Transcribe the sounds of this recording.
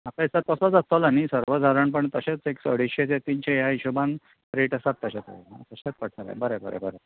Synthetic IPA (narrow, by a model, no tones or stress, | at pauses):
m̤akajsat̪̚kəsəd͡zat̪olanisəɾʋəd͡zʱaɾəɳpəɳt̪əɕet͡seksəɽ̤iɕet͡set̪iːnɕejaiɕuban | pɾeʈasat̪ːəɕet̪o̰nat̪əɕet̪̚pəʈʰnaɾa̰bəɾebə̰ɾḛbəɾe